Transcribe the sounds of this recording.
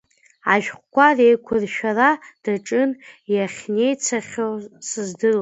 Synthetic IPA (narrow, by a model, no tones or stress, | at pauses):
aʒᶣχʷkʷarejkʷʰʊrʃᶣarad̥aʈ͡ʂʼɨnjaχʲne̞jt͡sʰaχʲosɨzdɨr